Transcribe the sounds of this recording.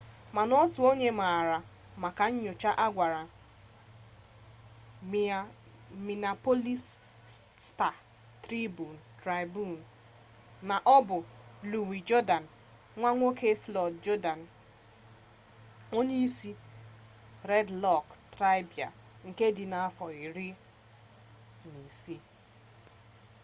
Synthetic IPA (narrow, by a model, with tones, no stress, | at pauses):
ma˨nɔ˦tʊ˨o˦ɲe˦ma˨ɾa˨ | ma˨ka˨ɲ̩˦ɲʊ˨t͡ʃa˦ʔa˦ɡʷa˨ɾa˨ | mi˨na˨po˦li˦s | sta˨ | tɾi˦bu˨n̩˨tɾa˨ɪ˨bu˦˨n̩˨ | na˨ʔɔ˦bʊ˨lu˨wi˨d͡ʒɔ˦da˨n̩˨ | ŋʷa˦ŋʷo˦kʰe˦flɔ˨dd͡ʒɔ˦da˨n̩˨ | o˦ɲe˦i˦si˦ | ɾɛ˦dlɔ˦˨ktɾa˦jbja˨ | ŋ̩˨ke˦di˨na˨a˦fɔ˨i˨ɾi˦ | ni˨si˦